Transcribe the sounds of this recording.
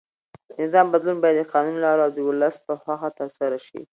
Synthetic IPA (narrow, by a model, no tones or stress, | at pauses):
nɪzɑmbad̪lunbɑjad̪ːəqɑnunlɑɾawd̪əwʊlaspəxaxat̪əɾsaɾaʃḭ